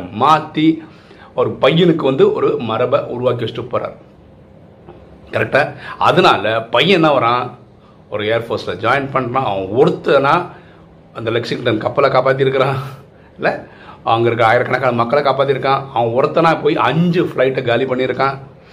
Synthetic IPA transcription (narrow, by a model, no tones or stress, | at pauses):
maːt̪ːi | ɔɾɯpɐjːɪnɯkːɯʋɐnd̪ɯɔɾɯmɐɾɐbɐʔʊɾʊʋaːk̬ɪɐsʈːɯpːɐːɾa̰ːɾ | kɐɾɛk̚ʈaːɐ̰ðɯnaːlɐpɐjːɛnːãːʋɐɾãː | ɔɾɯeːɾfoːɾslɐd͡ʒaːjɐnpɐɳɖnãːɐ̰ʋɐ̃ɔɾɯt̪ːɐnːãː | ɐnd̪ɐlɛksɪŋʈɐnkɐpːɐlɐkaːpaːt̪̬ːɪɾɯkːɐɾãː | ɪlːɐ | ɐʋɐŋɡɐɪɾɯkːɐɾaːjɪɾɐkɐɳɐkːaːnmɐkːɐlɐkaːpaːt̪̬ːɪɾɯkːãːɐʋɐ̃ɔɾɯt̪ːɐnaːpːoːjiʔɐɲd͡ʒɯfɪlɐɪʈːɡaːlipɐɳːɪɪɾɯkːãː